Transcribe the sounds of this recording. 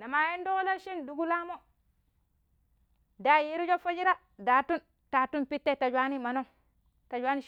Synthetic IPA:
na˨ma˨je˦ndo˦la˦ʃi˦ndu˨ɡu˦la˦mo˦ | da˨˦ji˦ɾi˦d͡ʒo˦fa˦d͡ʒi˦ɾa˦ | da˨tu˦n | ta˨tu˦npi˦tːe˦˨ta˨d͡ʒwa˦ni˦ma˨no˦ŋ | ta˨d͡ʒwa˦ni˦

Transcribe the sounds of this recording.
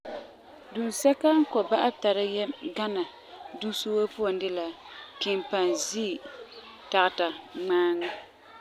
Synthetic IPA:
du˨n˨sɛ˦ka˦ŋ˦kɔ˨ba˦ʔa˦bta˨ɾa˦jɛ˦ɡa˦na˨ | du˦so˦wa˦pʊ˦a˨ndɪ˦la˦ | kɪ˨mpa˨nziː˦˨ | ta˨ɣta˨ŋ͡maː˦ŋa˦

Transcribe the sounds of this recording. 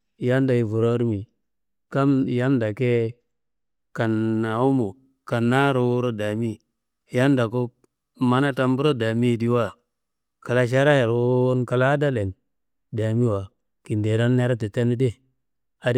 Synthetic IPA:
ja˦nda˨ji˨vu˨ɾo˦ɾmi˨ | ka˦m˨ja˦nda˨ke˦ | ka˨na˨u˦mo˨ | ka˨nːa˦ɾo˨wo˦ɾo˦da˨mi˦ | ja˦nda˨ko˦ | ma˦na˦ta˨mbu˦ɾo˦da˨mi˦˨di˦wa˦˨ | ka˨la˦ʃ̬a˦ɾa˦jɾo˨˦nka˨la˦da˦le˨n | da˨mi˦wa˨ | ki˨nde˨ɾa˦nːe˦ɾa˦ti˨te˦ni˦de˦˨ | a˨˦

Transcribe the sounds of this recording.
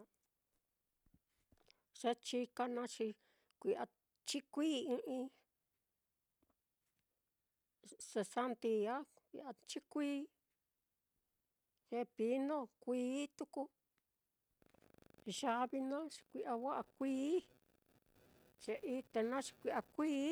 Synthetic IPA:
ʐ̥e˧˦t͡ʃi˧ka˧nã˧t͡ʃi˧ | kʷi˧ʔa˧ | t͡ʃi˦kʷiː˦ĩ˧ʔĩ˧ | se˧sa˧nt̪i˧a˦ | kʷḭ˧ʔa˧t͡ʃi˦kʷiː˦ | ʐe˧pi˧˦nõ˦kʷiː˦t̪u˧ku˧ | ʒa˧βi˧nã˦t͡ʃi̥˧kʷi˧ʔa˧wa˦ʔa˧kʷiː˦ | ʐ̥e˧ʔi˧t̪e˧nã˦t͡ʃi̥˧kʷi˧ʔa˧kʷiː˦

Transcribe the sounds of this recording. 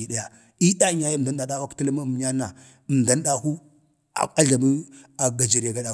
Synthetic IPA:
i˨ɗa˦ja˨ | i˦da˦ɲa˦ja˦˨da˦n˦da˨ɗa˦wa˦kta˦la˦ma˦˨m˨ɲa˦na˨ | m˨da˦n˦da˦hu˦ | a̰˨a˦ɮa˨mi˦ | a˨ɡa˨d͡ʒa˨ɾa˨ɡa˦ɗa˨

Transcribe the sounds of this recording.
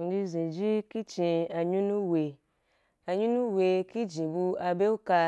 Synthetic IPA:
di˧zĩ˨d͡ʒi˦ki˦t͡ʃĩ˧a˧ɲu˦nũ˦we˨ | a˨ɲu˦nu˦we˧ki˦d͡ʒĩ˨bu˧a˧be˦u˦ka˧

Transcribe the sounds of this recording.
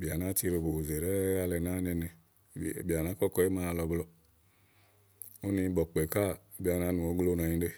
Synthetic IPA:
bi˨a˨na˦ti˧˦ɾo˧˨bo˨o˨ze˨ɾɛ˦a˧lɛ˨na˦ne˧ne˨ | bi˨a˨na˨˦kɔ˦kɔ˧˦e˦ma˧˦˧lɔ˨blɔ˧˨ | o˦ni˧˦bɔ˨k͡pe˨ka˦˨bi˨a˨na˨˦nu˨o˨˦ɡlo˦nɔ˨ɲĩ˨˦de˦

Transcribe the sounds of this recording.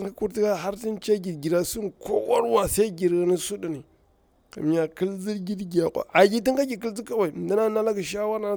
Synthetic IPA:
a˦ku˦ɾti˦ka˦ɦa˦ɾti˦nt͡ʃa˦ɡi˨dɡi˨ɾa˨su˦nko̰˦wa˦ɾwa˨sa˦i˦ɡi˨ɾɣa˨ni˦su˦di˨ni˨ | ka̰˨m˦ja˨kə˦lzi˦ɾɡi˦dɡi˨a˨kʷa̰˨ʔa˨ɡʲi˦ti˦ŋka˦ɡʲi˨ki˦lzi˦ka˦wa˨i˨da˦na˦na˦la˦ka˨ʃ̬a˦wa˦ɾna˨˦

